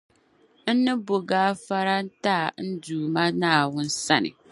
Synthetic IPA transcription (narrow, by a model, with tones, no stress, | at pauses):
n̩˦nɨ˦bo˨ɡaː˦fa˦ɾa˦n̩˦taː˦˨n̩˦duː˨ma˦naː˦˨wʊ˦n˦sa˦nɪ̰˨